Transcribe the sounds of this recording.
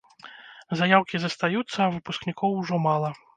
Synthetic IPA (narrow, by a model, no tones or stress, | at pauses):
zajawkʲizɐst̪ajut̪sːɐːvɨpusknʲikʰɔwʐɔmalˠɐ